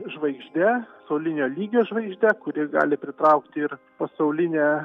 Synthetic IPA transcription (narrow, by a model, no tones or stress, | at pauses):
ʒʋɐɪɡʒʲd̪ʲæsɐʊlʲɪnʲoːlʲiːɡʲoːʒʋɐɪɡʒʲd̪ʲɛkʊɾʲɪɡɑ̰ːlʲɪpʲɾʲɪt̪ɾɐʊkt̪ʲɪɪr | pɐsɐʊlʲɪnʲæː